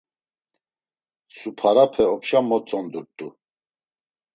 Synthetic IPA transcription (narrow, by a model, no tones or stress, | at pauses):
supʰaɾapʰɛɔpʃamɔt͡sʼɔnd̪uɾt̪ʼu